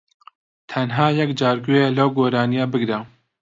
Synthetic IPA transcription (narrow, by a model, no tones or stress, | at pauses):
t̪ʰɐnɦɑːjɛkd͡ʒɑːɾɡujelɐwɡoːɾɑːnijɑːbɨɡɾɛ